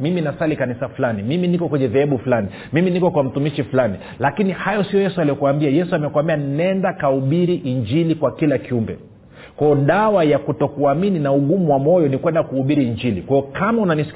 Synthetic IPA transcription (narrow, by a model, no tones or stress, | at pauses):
miminasalikanisafulanimiminikɔkwɛɲɛðɛɛɓufulani | miminikɔkwam̩tumiʃifulani | lakinihajɔsijɔjɛsualiɔkuambiajɛsuamɛkwambianɛndakauɓiɾiʔiɲd͡ʒilikwakilakiumbɛ̰ | kwaɔɗawajakutɔkuamininauɠumuwamɔjɔnikwɛndakuːɓiɾiːɲd͡ʒilikwajɔkamaunanisi̥k